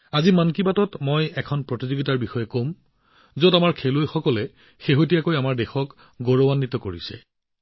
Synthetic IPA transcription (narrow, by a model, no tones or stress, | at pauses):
azimankibatɔtmojɛkʰɔnpɹotizoɡitaɹbixɔjɛkom | zodamaɹkʰelojxɔkɔlɛ | xeɦotijakojamaɹdexɔk | ɡoɹɔwanːit̪ɔkoɹḭsɛ̰